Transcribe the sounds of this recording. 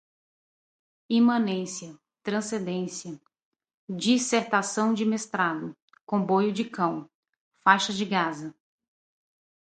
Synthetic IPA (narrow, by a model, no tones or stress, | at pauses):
imɐ̃nẽsiɐ | t̪ɾɐ̃sẽd̪ẽsiɐ | d͡ʒiseɾt̪asɐ̃w̃d͡ʒɪmest̪ɾad̪ʊ | kõbojʊd͡ʒɪkɐ̃w̃ | fajʃɐd͡ʒɪɡazɐ